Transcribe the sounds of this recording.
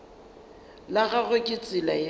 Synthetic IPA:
laɣaɣʊkʼɪt͡sʼɪla

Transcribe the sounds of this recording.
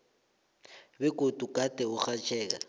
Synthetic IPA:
bɛkʼotʼukʼatʼɛʊχat͡ʃʰʼɛːk̬a̰

